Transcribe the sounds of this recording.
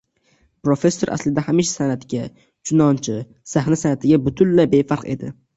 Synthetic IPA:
pɾo̞fe̞sːo̞ɾa̰slɪd̪ahamiʃḁsanat̪ɪɡʲa | t͡ʃʰʊnɒnt͡ʃʰɪ | sahnasanat̪ʰɪɡʲabʊt̪ʰʊnlabe̞faɾqe̞̰d̪ɪ

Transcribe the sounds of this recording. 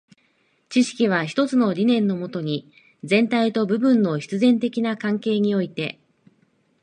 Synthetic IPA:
t͡ɕiɕi̥kʲiβ̞açi̥t̪o̞t͡sɨno̞ɾʲinẽ̞nːo̞mo̞t̪o̞ɲ̟i | d͡zẽ̞nt̪ait̪o̞bɯ̟bɯ̟̃nːo̞ɕi̥t͡sɨzẽ̞nt̪e̞kʲinakãŋke̞ːɲ̟io̞it̪e̞

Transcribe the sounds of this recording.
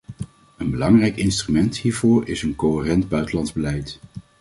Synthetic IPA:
ənbəlɑŋrɛjkɪnstrymɛnthiːɹvʊːɹɪsənkoərɛndbœɥtəlɑndzbəlɛjt

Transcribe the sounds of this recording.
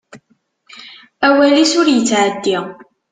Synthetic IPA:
æwælisʊɾjət͡sːʕəd̪ːi

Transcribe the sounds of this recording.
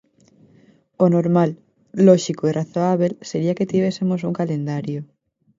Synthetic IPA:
onoɾmalː | ɔʃikoiraθoaβ̞elseɾiɐket̪iβ̞esemos̬uŋkalend̪aɾjo

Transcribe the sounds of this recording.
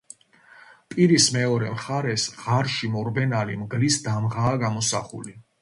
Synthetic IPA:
pʼiɾismɛɔɾɛmχaɾɛsʁaɾʃimɔɾbɛnalimɡlisd̪amʁaːɡamɔsa̰χṵli

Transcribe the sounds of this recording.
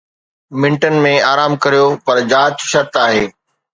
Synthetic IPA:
mɪ̃ɳʈənɪ̆mẽaːɾaːmkɐɾijopɐɾd͡ʑaːtʃɐɾt̪aːɦeː

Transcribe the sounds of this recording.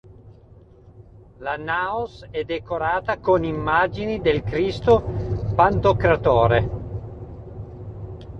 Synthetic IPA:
lanaːosɛd̪ːekoɾaːt̪akonimːaːd͡ʒinid̪elkɾist̪opant̪okɾat̪oːɾe

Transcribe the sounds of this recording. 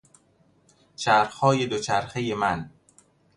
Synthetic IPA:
t͡ʃʰæɾxhɒːjed̪ot͡ʃʰæɾxejemæn

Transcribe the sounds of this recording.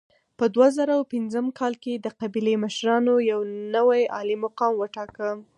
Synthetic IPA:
pəd̪wazaɾawpɪnzəmkɑlked̪əqabileməʃɾɑnojawnəwajɑlimaqɑmwəʈɑkə

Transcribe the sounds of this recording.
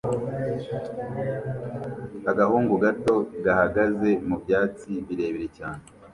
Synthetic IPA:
aɡahuːŋɡuɡato̞ɡahaɡaze̞mubjaːt͡siβiɾe̞ːβiɾe̞caːne

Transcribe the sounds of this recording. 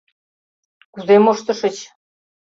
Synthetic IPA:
kuzemoʃt̪ɤ̆ʃə̆t͡ɕ

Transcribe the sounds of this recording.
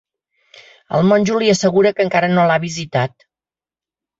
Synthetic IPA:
ə̰lˠmonʲʒuliəsəɣuɾəkəŋkaɾənolaβizit̪at̪̚

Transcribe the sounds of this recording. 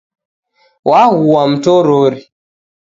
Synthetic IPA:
wʔahuwam̩toɾoɾi

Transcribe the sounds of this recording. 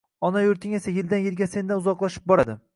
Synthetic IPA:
ɒnajoɾt̪ʰɪŋe̞sajɪld̪anjɪlɡʲase̞nd̪anʊzɒqlˠaʃɪ̥p̚bɒɾad̪ɪ

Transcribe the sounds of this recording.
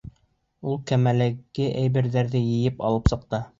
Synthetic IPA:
ulˠkæmælæɡɘʔæjβɘ̆ɾðæɾðɘjɘ̆jɘpɑ̰lˠɤpsɤ̆q̚t̪ɤ

